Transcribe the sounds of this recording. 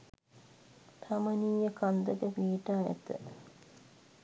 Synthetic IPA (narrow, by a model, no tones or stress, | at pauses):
t̪ʰaməniːjəkand̪əkəpiːʈaːæ̰t̪ə̰